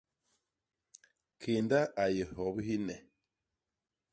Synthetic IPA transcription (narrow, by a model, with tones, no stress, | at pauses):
kʰe˨nda˦a˨je˨hɔ˨bhi˦nɛ˨